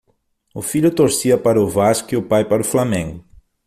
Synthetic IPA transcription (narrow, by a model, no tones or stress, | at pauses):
ʊfiʎʊt̪oɾsiɐpɐɾɐʊvaskiʊpajpaɾʊflamẽŋɡʊ